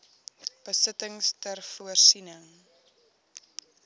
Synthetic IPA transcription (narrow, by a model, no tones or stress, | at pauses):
b̥əsətəŋstərfuərsinəŋ